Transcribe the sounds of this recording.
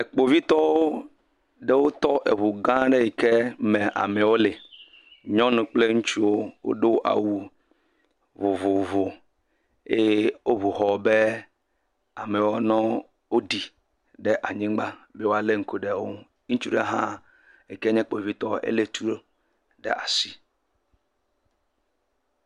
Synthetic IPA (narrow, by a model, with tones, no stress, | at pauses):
e˨k͡po˨vi˦t̪ɔ˦wo˦ | ɖe˦wo˦t̪ɔ˦ʔe˨βu˨ɡã˦ɖe˦je˨ke˦mẽ˨ʔa̰˨me˨wo˦le˨ | ɲɔ̃˦nũ˨k͡ple˦ŋũ˦t͡ʃu˦wo˦wʔo̰˦ɖe˦wo˦ʔa̰˨wu˦ | vo˨vo˨vo˨ | e˦wo˦βu˨xɔ˨be˦ | a˨me˨wo˦nɔ̃˦ | wo˦ɖi˨ | ɖɛ˦ʔa˨ɲĩ˦ɡ͡ba˦be˦wo˦a˨le˦ŋ̩˨ko˦ɖe˨wo˦ | ŋũ˦t͡ʃu˦ɖḛ˦ɦã˦ | e˨ke˦ɲɛ̃˦k͡po˨vi˦t̪ɔ˦ḛ˦le˦t̪ʰu˦ɾo˦ | ɖḛ˦ʔa̰˨si˦